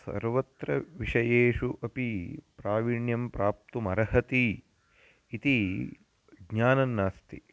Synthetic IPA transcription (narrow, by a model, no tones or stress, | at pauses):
sɐ̰ɾʋɐt̪ɾɐʋiʂɐjeːʂuʔɐpipɾaːʋiɳjɐmpɾaːp̚t̪umɐɾɐɦɐt̪iː | t̪i | ɡɲaːnɐnːaːst̪ḭ